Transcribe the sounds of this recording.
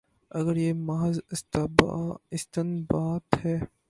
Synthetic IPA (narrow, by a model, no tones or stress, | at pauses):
ɐɡəɾjeːmɐɦzɪst̪bɪst̪ɪnbaːt̪hɛː